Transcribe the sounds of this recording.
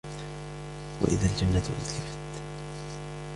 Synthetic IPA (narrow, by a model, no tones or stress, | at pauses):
wa̰ʔɪ̰ðald͡ʒanːat̪ʔɪ̰ðkafat̪